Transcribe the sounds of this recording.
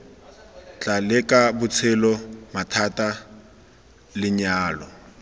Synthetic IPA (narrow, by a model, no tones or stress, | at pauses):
t͡ɬʼalɪkʼabʊt͡sʰɛlɔmatʰatʼa | lɪɲaːlɔ̰